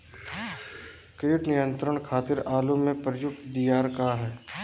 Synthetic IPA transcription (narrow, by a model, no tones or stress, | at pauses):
keːʈnɪjə̃nt̪ɾəɳ̃kʰaːt̪ɪɾaːlumẽpɾjʊk̚t̪d̪ijaːɾkaɦɛː